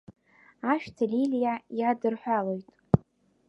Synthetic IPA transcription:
aʃtʰalilijajadɨrħʷᶣalo̞jtʼ

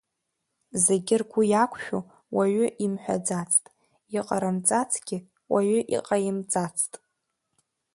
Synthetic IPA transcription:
ze̞ɡʲɪrɡʷʊjakʷʰʃᶣu | waɥʏʔimħʷᶣa̰d͡zat͡sʰʼtʼ | iqʼaɾamt͡sʼat͡sʰɡ̥ʲɪ | waɥʊʔḭqʼajɪmt͡sʼat͡sʰtʼ

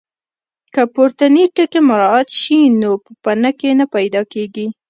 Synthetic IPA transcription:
kəpoɾt̪aniʈəkemʊɾɑat̪ʃinopəpanakenapajd̪ɑkeɡi

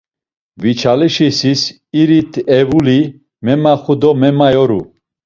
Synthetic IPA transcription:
vit͡ʃʰaliʃisis | iɾit̪ʰɛvuli | mɛmaχud̪ɔmɛmajɔɾṵ

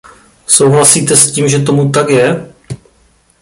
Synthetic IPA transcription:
so̞wɦlasiːt̪ɛsciːmʒɛt̪̬o̞mut̪akjɛ

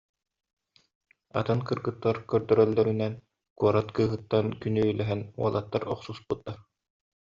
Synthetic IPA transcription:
a̰t̪ɯnkɯɾɡɯt̪ːaɾkœɾd̪œɾœlːœɾynɛn | kuɔɾat̪kɯːɦɯt̪ːankynyylʲɛɦɛnṵɔlˠat̪ːaɾɔqsusput̪ːaɾ

